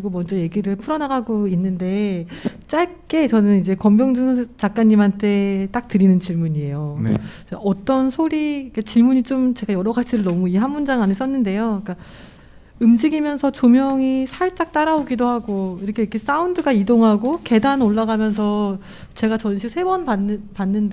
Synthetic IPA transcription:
iɡomʌnd͡ʑʌje̞ɡiɾɯɭpʰuɾʌnaɡaɡoinːɯnde̞ | t͡ɕ͈aɭk͈e̞t͡ɕʌnɯnid͡ʑe̞kʌmbjʌŋd͡ʑɯŋt͡ɕak̚k͈aɲːimɦantʰe̞t͈ak̚tɯɾinɯnt͡ɕiɭmuɲie̞jon | ʌt͈ʌnsʰoɾiket͡ɕiɭmuɲit͡ɕomt͡ɕeɡajʌɾʌɡat͡ɕʰiɾɯɭnʌmuiɦamːund͡ʑaŋanis͈ʌnːɯnde̞joik͈a | ɯmd͡ʑiɡimjʌnsʰʌt͡ɕomjʌŋisʰaɭt͡ɕ͈ak̚t͈aɾaoɡidohaɡoiɾʌkʰeikʰe̞s͈aundɯɡaidoŋɦaɡoke̞danoɭːaɡamjʌns̬ʰʌ | t͡ɕe̞ɡat͡ɕʌnɕʰik̚sʰe̞bʌnapanːɯnd

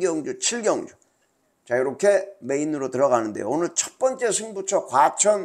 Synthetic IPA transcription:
ɡjʌŋd͡ʑut͡ɕʰiɭɡjʌŋd͡ʑu | t͡ɕajiɾʌkʰe̞me̞inɯɾotɯɾʌɣanɯndejo̰onɯɭt͡ɕʰʌ̥t̚p͈ʌnt͡ɕ͈e̞sʰɯŋbut͡ɕʰʌkwat͡ɕʰʌn

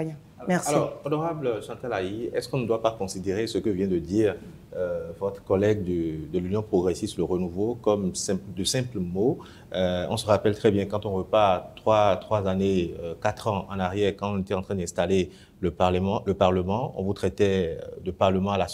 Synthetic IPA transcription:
mɛsalɔʁɔnɔʁablʃɑ̃t̪alaiɛ̰skɔ̃nəd̪wapakɔ̃sid̪eʁesəkəvjɛ̃d̪əd̪iːʁ | øvɔt̪χəkɔlɛɡd̪əd̪əlynjɔ̃pχoɡʁesist̪ləʁənuvokɔmsɛ̃pd̪əsɛ̃plmo | øɔ̰̃səʁapɛlt̪χɛbjɛ̃kɑ̃t̪ɔ̃vøpat̪χwat̪χwazaneøkat̪χɑ̃ʔɑ̰̃naʁjɛʁkɑ̃ɔ̃net̪ɛt̪ɑ̃t̪χɛ̃d̪ɛ̃st̪ale | ləãləpaʁləmɑ̃ɔ̰̃vut̪χɛt̪ɛ̰d̪əpaʁləmɑ̃ala

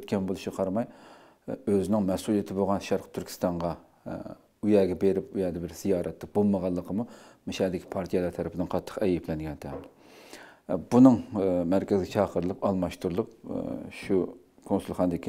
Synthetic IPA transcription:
t̪̚kʲɛnbolˠuʃqʰɑɾmɑj | øzɪnɪŋmɛsulˠijet̪ʰɪboʁɑnʃɑɾqʰə̥t̪ʰyɾkʰʲi̥st̪ɑɴʁɑ | yjɛːɡʲɛbeɾɪpujɛːd̪ɛbɪɾz̥ijɑːɾɛt̪ʰːɨbolˠməʁɑlˠːəqʰəmumɪʃɛːd̪ɪkʰʲi̥pʰɑɾt̪ʰijɛlˠɑɾt̪ʰɛɾɪpʰɪd̪ɪnqʰɑt̪ʰːə̥qɛjɛplɛnɡʲɛnt̪ʰɛmd̪ | bunɨŋmæɾkʲɪzɪɡʲɛt͡ʃʰɑːqʰəɾɨlˠɨpɑlˠmɑʃt̪uɾlˠʊpʃu | kʰonsulˠχɑnd̪ɪkʲʰi

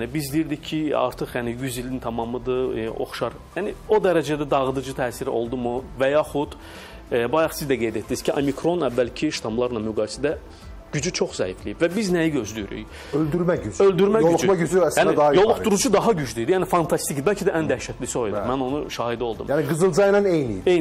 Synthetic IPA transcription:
jænibizd̪ijiɾd̪icʰːiɑ̰ɾt̪ʰɯχjænijyzilint̪ʰɑmɑmɯd̪ɯo̞̰χʃɑɾ | jæːnio̞d̪æɾæd͡ʒæd̪æd̪ɑʁɯd̪ɯd͡ʒɯt̪ʰæːsiɾo̞̰lˠd̪umuvæjɑːχud̪̥ | bɑjɑχsizd̪æɡe̞jd̪et̪d̪ːiiz̥cʰiʔomikʰɾo̞nævːælcʰiʃt̪ʰɑmlˠɑɾlˠɑmyɡɑːjisæd̪æ | ɟ̥yd͡ʒyt͡ʃʰoχzæiflijibvæbiznæjiɟø̞zlyjyɾy̰j | øld̪yɾmæyd͡ʒø̞ld̪yɾmæolˠumɑɟyd͡ʒyæsænd̪ɑjo̞lˠuχd̪uɾud͡ʒud̪ɑɦɑɟyd͡ʒd̪yjd̪ijæːnifɑnt̪ʰɑst̪icd̪ibælʲcʰid̪æʔænd̪æʃæt̪ʰliso̞jd̪umæno̞nuʃɑːhid̪io̞lˠd̪ṵmjæniɡɯzɯlˠd͡ʒɑnɑnejnḭje

